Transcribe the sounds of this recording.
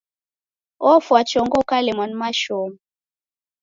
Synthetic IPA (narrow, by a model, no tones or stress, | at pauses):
ɔfwat͡ʃɔŋɡɔkalemɔnmaʃɔm